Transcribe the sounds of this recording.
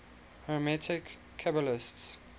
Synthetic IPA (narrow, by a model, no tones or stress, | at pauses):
hɔmɛtʰɪkʰː | abəlɪsts